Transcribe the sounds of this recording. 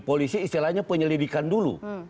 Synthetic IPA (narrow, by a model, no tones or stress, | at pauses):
polisiːst̪ilahɲapəɲəlidikandulṵ